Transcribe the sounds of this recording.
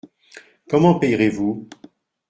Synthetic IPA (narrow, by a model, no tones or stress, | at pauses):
kɔmɑ̃pɛjʁevu